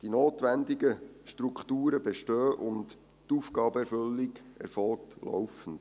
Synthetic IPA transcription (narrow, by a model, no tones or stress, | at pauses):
d̥inoːtʋændiɡəʃtɾukχtuːɾəbeʃtøːʔʊnt | tuːfɡ̥ɑːbəɛɾfɵlːiɡɛ̰ɾfɔlk̚tlɔ̰wfən̩t